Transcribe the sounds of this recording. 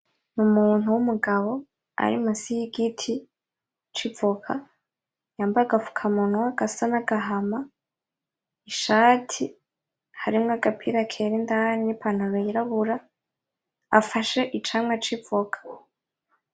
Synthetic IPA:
numuːn̥uwumuɡaβo̞ | a̰ɾḭmasihiɡitʰi | t͡ʃibvokʰa | jaːmbaaɡafu̥kʰamunwaɡ̥asanaɡaɦama | iʃaːtʰi | haɾimŋaɡapʰiɾakʰeɾendanipʰanaβeiɾaβuɾa | faʃe̞ʔit͡ʃaːmŋat͡ʃibvokʰḁ

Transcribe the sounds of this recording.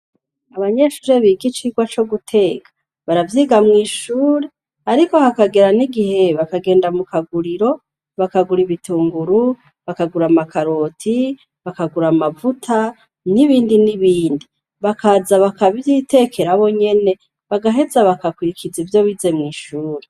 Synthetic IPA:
aβaɲe̞ʃuːɾeβiɡit͡ʃiɡwat͡ʃo̞ɡutʰe̞ːkḁ | βaɾavjiːɡamŋiːʃuːɾe̞ | aɾiko̞hakaɡe̞ɾaniɡihe̞βakaɡe̞ːndamukʰaɡuɾiɾo̞ | βakaɡuɾiβituːŋɡuɾu | βakaɡuɾamakʰaɾo̞tʰi | βakaɡuɾamavutʰa | niβiːndiniβiːndi | βakʰazaβakaβjitʰe̞ːkʰe̞ɾaβo̞ɲe̞ne̞ | βaɡaɦe̞zaβakakwiɾikʰid͡zivjo̞βize̞mŋiːʃuːɾe

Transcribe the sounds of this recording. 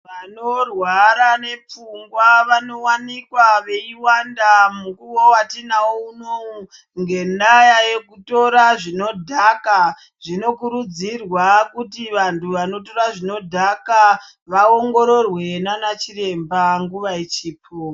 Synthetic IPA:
ʋanorwaɾane̞p͡fuŋɡwaʋano̞wanikwaʋe̞iwandamukuwo̞watinaouno | ŋɡe̞ndajaje̞kuto̞ɾaʐino̞dʱaka | ʐino̞kuɾud͡zirwakutiʋantʰuʋano̞to̞ɾaʐino̞dʱaka | ʋaoŋɡo̞ɾo̞rwe̞nanat͡ʃire̞mbaŋɡuʋait͡ʃiːpʰo

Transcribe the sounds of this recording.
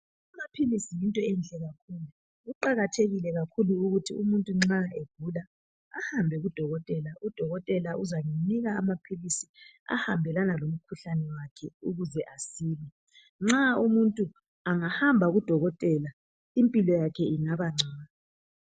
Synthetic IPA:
amapʰilisijintʼɔɛnt͡ɬʼɛɣakʰuːlu | ɣuǃaɣatʰeɣilɛɣakʰuluːɣutʰiumuntʼuŋ͡ǁaeɡ̥ʱula | ahambʱɛɣud̥ʱɔɣɔtʼɛlaʔud̥ʱɔɣɔtʼɛlaʔuzaŋiniɣaamapʰilisia̰hambʱɛlanalom̩kʰuɬanɛwakʰɛuɣuzɛʔasiːlɛ | ŋ͡ǁaumuntʼu | aŋahambʱaɣud̥ʱɔɣɔtʼɛla | impʼilɔjakʰɛiŋaβaŋ͡ǀʱaːna

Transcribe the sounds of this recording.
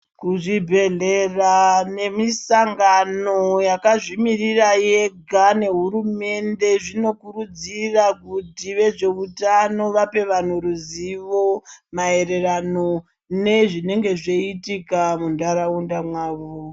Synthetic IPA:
kuʐibʱe̞ɮe̞rane̞misaŋɡano̞jakaʐimirirajeɡʱane̞ɦuɾume̞nde̞ʐino̞kurud͡zirakutiʋe̞ʐe̞utano̞ʋape̞ʋan̤uɾuziʋo̞mae̞ɾe̞rano | ne̞ʐine̞ŋɡe̞ʐeitikamundaɾaundamwaːʋo

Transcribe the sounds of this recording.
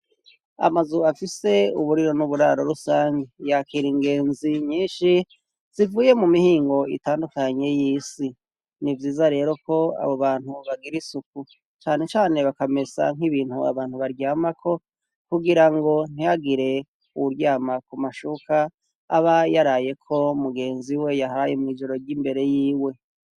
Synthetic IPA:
a̰mazuafise̞uβuɾiɾo̞nuβuɾaɾo̞ɾusaːɲɡejakiɾiŋɡe̞ːnziɲiːnʃi | z̥ivuːje̞mumihiːŋɡo̞ḭtaːndukaɲe̞jiːsi | nivjiːzaɾe̞ːɾo̞ko̞a̰βo̞βaːn̥huβaɡiɾisuku | t͡ʃaːne̞t͡ʃaːne̞βakame̞sa̰ŋiβiːnhua̰βaːn̥huβaɾɟaːmakʰo̞ | kuɡiɾaŋɡo̞n̥ijaɡiɾe̞ | uwuɾɟaːmakumaʃukaː | βajaɾaːje̞kʰo̞umuɡe̞ːnziwe̞jaɦajemŋiːd͡ʒo̞ɾo̞ɾɟimbe̞ɾe̞jiːwe̞

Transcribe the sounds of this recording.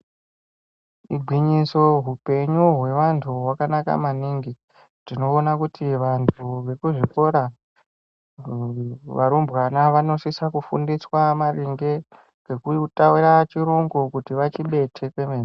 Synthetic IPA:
iɡʱwiɲiso̞ɦupe̞ɲuɦwe̞ʋantʰuwakanaka̰maniŋɡi | r̥ino̞ːnakutʰiʋantʰuʋe̞kuʐiko̞ɾa | ʋaɾumbwanaʋano̞sisakufṵndiswamaɾiŋɡe̞ | ɡe̞kutawiɾat͡ʃiɾuŋɡokutiʋat͡ʃiɓe̞tʰe̞kwe̞mena

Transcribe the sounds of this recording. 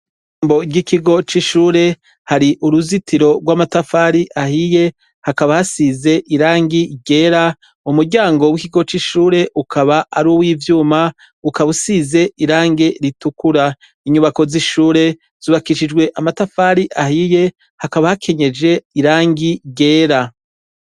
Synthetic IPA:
i | mbo̞ɟikiɡo̞t͡ʃiʃuːɾe̞ | haɾiʔuɾuzitʰiɾo̞ɡwamatafaɾiʔahije̞ | hakaβahasize̞ʔiɾaːŋɡiɟe̞ːɾa | umuɾɟaːŋɡo̞wikiɡo̞t͡ʃiʃuːɾe̞ʔukʰaβaʔaɾuwiːvjuːma | ukaβusize̞ʔiɾaːŋɡe̞ɾitukuɾa | iɲuβako̞ziʃuːɾe̞ | z̥uβakiʃid͡ʒɡwe̞ʔamatafaɾiʔahije̞ | hakaβahakʰe̞ɲe̞d͡ʒe̞iɾaːŋɡiɟe̞ːɾa

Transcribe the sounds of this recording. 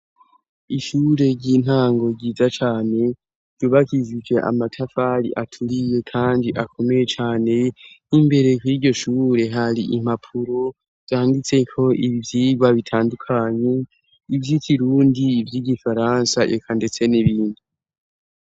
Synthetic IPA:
iʃuɾe̞ɾɟiːn̥haːŋɡo̞ɾɟiːzat͡ʃaːne̞̥ | d̥uβakizid͡ʒe̞ʔa̰matʰafaɾḭʔatʰuɾije̞kʰaːndiʔakʰo̞me̞je̞t͡ʃaːne̞nimbe̞ɾe̞kuiɾɟo̞ʃuːɾe̞ɦaɾiʔim̥hapʰuɾo̞ | v̥zjaandit͡se̞kʰo̞ʔiβivjiːɡwaβitʰaːndukʰaɲe̞ | ivjikiɾuːndiːvjiːɟifaɾansaʔḛkʰande̞t͡se̞niβiːndi

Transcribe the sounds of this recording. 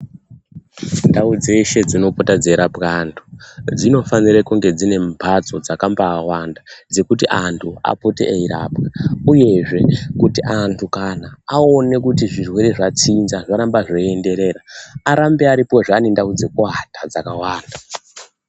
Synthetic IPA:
ndaud͡ze̞ʃe̞d͡zino̞potad͡zeɾapkantʰu̥d͡zino̞fanirekuŋɡe̞d͡zine̞mpʰad͡zo̞d͡zakambaːwandad͡ze̞kutiʔantʰua̰potḛeiɾa̰ːpkauje̞ʐe̞kutiʔantʰukanaaone̞kutiʐirwe̞ɾe̞ʐat͡sinzaʐaɾambaʐoende̞ɾe̞ːɾaːɾambeaɾipo̞ʐanindaud͡ze̞koɦatad͡zakawaːnda

